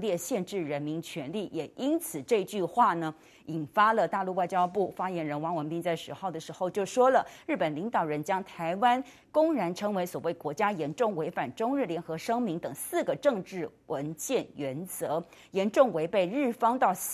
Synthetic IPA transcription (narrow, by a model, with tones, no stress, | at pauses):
ljɛ˥˧ɕjɛ˥˧nʈ͡ʂɻ̩˥˩ɻə˧˥nmi˧˥nt͡ɕʰɥɛ˧˥nli˥˩jɛ˨˩ʔi˥nt͡sʰɹ̩˨˩ʈ͡ʂɤ˥˧i˧˥t͡ɕy˥˧xwa˥˩nə˩ | i˨˩nfa˥lə˨t̪a˥˧lu˥˧wa˥˩ɪt͡ɕjɑ˥ʊpu˥˩fa˥jɛ˧˥nɻə˧˥nwɑ˧˥ŋwə˧˥npi˥˧ŋt͡sa˥˩ɪʂɻ̩˧˥xo˥˩ʊd̪ə˩ʂɻ̩˧˥xo˥˧ʊt͡ɕjo˥˩ʊʂwɔ˥lə˨ɻɻ̩˥˩pə˨˩nli˧˥ŋt̪ɑ˨˩ʊɻə˧˥nt͡ɕjɑ˥ŋt̪ʰa˧˥ɪwa˥n | kʊ˥ŋɻa˧˥nʈ͡ʂʰɤ˧˥ŋwe˧˥ɪswɔ˨˩we˥˩ɪkwɔ˧˥t͡ɕja˥jɛ˧˥nʈ͡ʂʊ˥˩ŋwe˧˥ɪfa˨˩nʈ͡ʂʊ˥ŋɻ̩˥˩ljɛ˧˥nxɤ˧˥ʂɤ˥ŋmi˧˥ŋt̪ɤ˨˩ŋsɹ̩˥˩ɡə˩ʈ͡ʂɤ˥˧ŋʈ͡ʂɻ̩˥˩wə˧˥nt͡ɕjɛ˥˩nɥɛ˧˥nt͡sɤ˧˥ | jɛ˧˥nʈ͡ʂʊ˥˩ŋwe˧˥ɪpe˥˧ɪɻɻ̩˥˩fɑ˥ŋt̪ɑ˥˩ʊ